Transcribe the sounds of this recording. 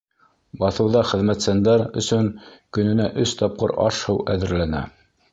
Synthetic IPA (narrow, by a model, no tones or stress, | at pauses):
bɑθɤ̆wðɑχɘ̆ðmæt̪sænd̪æɾɵ̰̆sɵŋkɵ̆nɘ̆næʔɵst̪ɑp̚qɤ̰ɾɑ̰ʃhɤwæðɘ̆ɾlænæ̰